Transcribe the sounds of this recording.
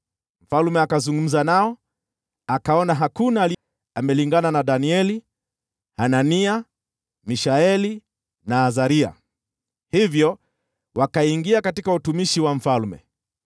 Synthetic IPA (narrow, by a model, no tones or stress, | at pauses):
m̩falmɛakazuŋɡum̩zanaɔ | akaɔnaɦakunaːli | amɛliŋɡananaɗaniɛli | hanania | miʃaɛli | naːzaɾia̰ | hivjɔ | wakaiŋɡiakatikautumiʃiwam̩falmɛ̰